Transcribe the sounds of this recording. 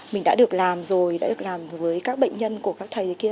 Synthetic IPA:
mï˨˩ŋ̟ɗa̰ː˧˥ɨ˨˩ək̚laː˨˩mzo˨˩jɗa̰ː˧˥ɗɨ˨˩ə˩k̚laː˨˩mvəː˨˦jkaː˦˥k̚ɓə̰˧˨jŋ̟ɲə˧nku˧˩əkaː˦˥kt̪ʰa˨˩t̪ʰːki˧ə

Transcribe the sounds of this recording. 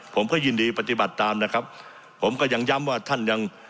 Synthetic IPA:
pʰo˩˦mkʰɔː˥˩jɯː˧˩ndiː˧pa˧t̪i˨˩ba˨˩t̪ːaː˧mna˦˥kʰa˦˥p̚ʰː | o˩˦mkɔː˥˩ja˧ŋja˦˥mwaː˥˩t̪ʰa˥˩nja˧ŋ

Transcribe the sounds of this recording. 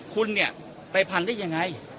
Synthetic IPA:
kʰu˧nni˥˩ɐ | pa˧jpʰa˧ndaː˥˩ja˧ŋːa˧j

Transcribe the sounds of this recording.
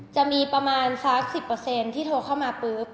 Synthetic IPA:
t͡ɕa˨˩ʔmiː˧pɾa˧maː˧nsa˦˥k̚si˨˩pːɤː˧se˧nt̪ʰiː˥˩oː˧kʰaː˥˩wmaː˧pɯː˦˥p̚

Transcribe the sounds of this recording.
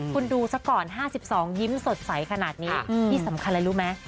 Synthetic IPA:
kʰu˧nduː˧sa˦˥kɔː˨˩nɦaː˥˩si˨˩p̚sɔː˩˦ŋji˦˥mso˨˩t̪̚sa˩˦jkʰa˧naː˨˩t̪̚niː˦˥iː˥˩sa˩˦mkʰa˧nla˧˥jɾuː˦˥ma˦˥j

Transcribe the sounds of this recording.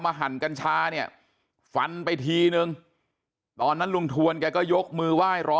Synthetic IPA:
maː˧ɦa˩˦nka˧nt͡ɕʰaː˧ni˥˩ɐ | fa˧npa˧jt̪ʰiː˧nɯ˧ŋ | t̪ɔː˧nːa˦˥nlo˧ŋt̪ʰu˧ənkɛː˧kɔː˥˩jo˦˥k̚mɯː˧waː˥˩jɾɔː˦˥

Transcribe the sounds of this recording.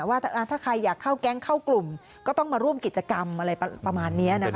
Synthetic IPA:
waː˥˩ʔa˧t̪ʰaː˥˩kʰa˧jːaː˨˩kʰːa˥˩wkɛ˦˥˩ŋkʰa˥˩wklu˨˩m | kkɔː˥˩t̪ɔ˥˩ŋmaː˧ɾu˥˩əmki˨˩t̪̚t͡ɕa˧ka˧mʔa˧ɾa˧jpa˧maː˧nːi˦˥ɐna˦kʰ

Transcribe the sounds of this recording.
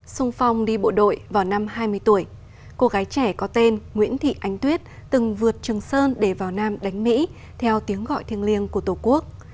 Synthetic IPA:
sʊ˧ŋ͡mfa˧wŋ͡mɗi˧ɓo̰˧˨ɗo̰˧˨jvaː˨˩wna˧mhaː˧jmɨ˧əjt̪u˧˩əj | ko˧ɣaː˨˦jt͡ɕɛ˧˩kɔ˨˦t̪e˧nŋwḭ˧˥ənt̪ʰḭ˧˨ʔa˨˦jŋ̟t̪wi˦˥ət̚t̪ɨ˨˩ŋvɨ˨˩ət̚t͡ɕɨ˨˩əŋsəː˧nɗe˧˩vaː˨˩wnaː˧mɗa˨˦jŋ̟mḭ˧˥ | t̪ʰɛ˧wt̪i˨˦əŋɣɔ̰˧˨jt̪ʰi˧ənli˧ənku˧˩ət̪o˧˩ku˦˥ək̚

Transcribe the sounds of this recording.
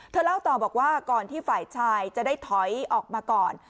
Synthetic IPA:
t̪ʰɤː˧˩la˥˩wt̪ɔː˧˩bɔː˨˩k̚waː˥˩kɔː˨˩nt̪ʰiː˥˩faː˨˩jt͡ɕʰaː˧jt͡ɕa˨˩daː˥˩jt̪ʰɔ˩˦jʔɔː˨˩k̚maː˧kɔː˨˩n

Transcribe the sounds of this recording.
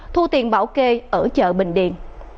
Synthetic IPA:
t̪ʰu˧t̪i˨˩ənɓaː˧˩˦wke˧ʔəː˧˩t͡ɕə̰ː˧˨ɓï˧˨ŋ̟ɗḭ˧˨ən

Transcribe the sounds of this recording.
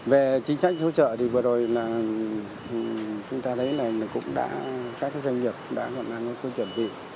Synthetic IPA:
ve˨˩t͡ɕï˨˦ŋ̟sa˦˥jk̚zo̰˧˥t͡ɕə̰ː˧˨t̪ʰi˨˩vɨ˨˩əzo˨˩jlaː˨˩ | t͡ɕʊ˨˦ŋ͡mt̪aː˧t̪ʰə˨˦jlaː˨˩˨kʊ̰˧˥ŋ͡mɗa̰ː˧˥kaː˦˥k̚za˧jŋ̟ɲi˨˩əp̚ɗa̰ː˧˥hwɔ̰˧˨nʔa˧˩ŋɔ˨˦so˧t͡ɕə˨˩mɓḭ˧˨

